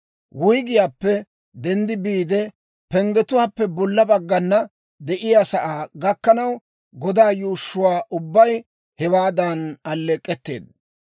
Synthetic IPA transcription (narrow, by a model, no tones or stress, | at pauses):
wʊjɡɪjaːpːɛ | d̪ɛnd̪ɪbiːd̪ɛ | pɛŋɡɛt̪ʊwaːpːɛbɔlːɐbɐɡːɐnːɐ | d̪ɛʔɪjaːsɐʔaːɡɐkːɐnɐw | ɡɔd̪aːjuːʃːʊwaːʔʊbːɐj | hɛwaːd̪ɐnɐlːɛkʼːɛt̪ːḛːd̪̚